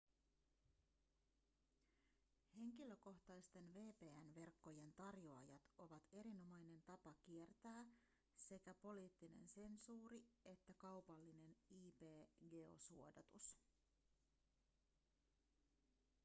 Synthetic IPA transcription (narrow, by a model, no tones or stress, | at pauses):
he̞ŋk̟ilø̞ko̞ht̪ɑjst̪e̞nʋe̞ːpe̞ːænʋe̞rkːo̞je̞nt̪ɑrjoɑjɑt̪o̞ʋɑt̪e̞ɾino̞mɑjne̞nt̪ɑpɑkie̞rt̪æː | se̞kæpo̞liːt̪ːine̞̰nse̞nsuːɾie̞t̪ːækɑwpɑlːine̞niːpe̞ːɡe̞o̞̰suo̞dɑt̪us